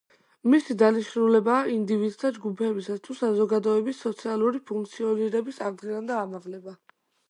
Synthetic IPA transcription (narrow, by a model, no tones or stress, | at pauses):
misid̪aniʃnulɛbaːind̪ivid̪st̪ʰad͡ʒɡupʰɛbisast̪ʰusazɔɡad̪ɔɛbisːɔt̪sʰialˠuɾipʰuŋk̚ʰt̪sʰiɔniɾɛbisaɾd̪ʁiland̪aːmaʁlɛba